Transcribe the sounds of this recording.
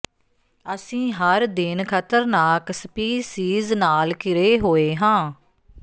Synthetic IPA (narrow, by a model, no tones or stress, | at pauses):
əsĩːɦəɾd̪ɪnkʰət̪əɾnaːksəpiːsiːznaːlkɪɾeːɦoːeːɦãː